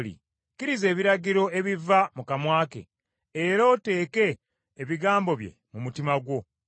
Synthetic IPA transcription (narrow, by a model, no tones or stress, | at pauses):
lḭ | kiɾize̞ːβiɾaɡiɾo̞e̞βivamukamwaːkḛ | eɾoːte̞ːke̞ː | βiɡaːmbo̞βje̞̰ | mumutimaɡwo̞